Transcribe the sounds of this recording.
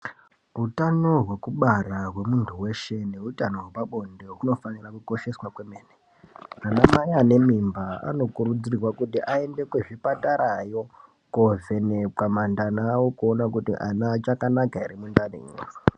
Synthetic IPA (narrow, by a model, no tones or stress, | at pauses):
ɦutano̞ɦwe̞kuɓaraɦwe̞muntʰuwe̞ʃe̞ne̞utano̞wepaɓo̞ndeɦuno̞fanirakuko̞ʃe̞swakwemeːne | anamajane̞mimbaa̰no̞kuɾud͡zirwakutiʔae̞nde̞kweʐipataɾajo̞ | kovenekamandanawokuonakutḭʔanat͡ʃakanakaiɾimundanḭŋṵːro